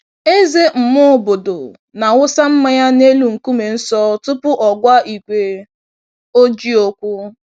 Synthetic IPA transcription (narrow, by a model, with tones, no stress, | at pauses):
e˦ze˦m̩˨mʊ˦˨bo˨do̰˨ | na˨ŋʊ˦sa˦m̩˦ma˦ja˦ne˦lu˨ŋ̩˨ku˦me˨n̩˦sɔ˦tʊ˦pʊ˦ʔɔ˨ɡʷa˦i˨kʷe˨ | o˦d͡ʒi˦o˦kʷʊ˦